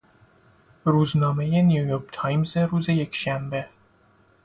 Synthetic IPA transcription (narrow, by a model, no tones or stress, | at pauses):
ɾuznɒːmejeniujoɾkt̪ʰɑjmzeɾuːzejekʃæmbe